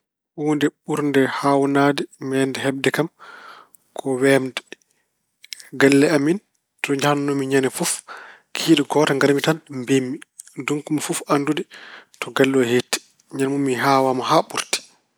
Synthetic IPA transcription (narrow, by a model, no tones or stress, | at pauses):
wuːndɛɓuɾndɛhawnaːdimɛːndɛhɛb̚dɛkam | kʰɔwɛmdɛ | ɡalːɛamin | tɔɲd͡ʒahannɔmiɲanɛfuf | kʰiːɗɔɡɔːtaŋɡaɾmitanmbemːiduŋkumafufanduditɔɡalːɔhetːi̥ | ɲanmumːiɦawamahaɓuɾti̥